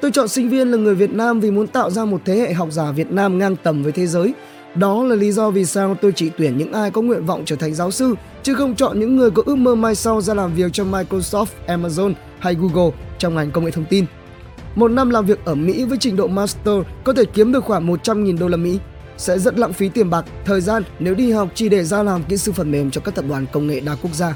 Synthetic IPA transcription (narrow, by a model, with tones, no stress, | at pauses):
t̪o˧jt͡ɕɔ̰˧˨nsï˧ŋ̟vi˧ənlaː˨˩ŋɨ˨˩əjvi˨˩ət̚naː˧mvi˨˩mu˨˦ənt̪a̰ː˧˨wzaː˧mo˨˩t̚t̪ʰe˨˦hḛ˧˨ɦɔ˨˩wk͡p̚zaː˧˩vi˨˩ət̚naː˧mŋaː˧ŋt̪ə˧˩mvəː˨˦jt̪ʰe˨˦zəː˨˦j | ɗɔ˨˦laː˨˩li˨˦zɔ˧vi˨˩saː˧wt̪o˧jt͡ɕi˧˩t̪wi˧˩ənɲɨ̰˧˥ŋʔaː˧jkɔ˨˦ŋwḭ˧˨ənvɔ̰˧˨wŋ͡mt͡ɕəː˧˩t̪ʰa˨˩ŋ̟zaː˨˦wsɨ˧ | t͡ɕɨ˨˦xə˧wŋ͡mt͡ɕɔ̰˧˨nɲɨ̰˧˥ŋːɨ˨˩əjkɔ˨˦ʔɨ˦˥k̚məː˧maː˧jsa˧wzaː˧laː˨˩mvi˨˩ək̚t͡ɕɔ˧wŋ͡mmaː˧jko˧sɔ˦˥t̪̚ʔɛ˧maː˧zo˧n | ha˧jɣu˧ɣə˧˩t͡ɕɔ˧ŋ͡mŋa˨˩jŋkə˧wŋḛ˧˨t̪ʰwŋ͡mt̪i˧n | mo˨˩t̚na˧mlaː˨˩mvi˨˩ək̚ʔəː˧˩mḭ˧˥vəː˨˦jt͡ɕï˨˩ŋ̟ɗo̰˧˨maː˧st̪əː˧kɔ˨˦t̪ʰe˧˩ki˨˦əmɗɨ˨˩ək̚xwaː˧˩ŋmo˨˩t̚t͡ɕa˧mŋi˨˩nɗo˧laː˨˩mḭ˧˥ | sɛ̰˧˥zə˦˥t̚la̰˧˨ŋfi˨˦t̪i˨˩əmɓa˨˩k̚t̪ʰəː˨˩jzaː˧nne˨˦wɗi˧ha˨˩wk͡p̚t͡ɕi˧˩ɗe˧˩zaː˧laː˨˩mkḭ˧˥sɨ˧fə˧˩nme˨˩mt͡ɕɔ˧kaː˦˥k̚t̪ə˨˩p̚ɗwaː˨˩nkə˧wŋ͡mŋḛ˧˨ɗaː˧˩ku˦˥ək̚zaː˧